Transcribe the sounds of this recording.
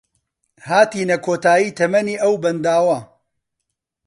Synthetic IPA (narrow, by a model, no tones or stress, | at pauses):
haːt̪iːnɐkʰoːt̪aːjiːt̪ʰɐmɐniːʔɐwbɐnd̪aːwɐ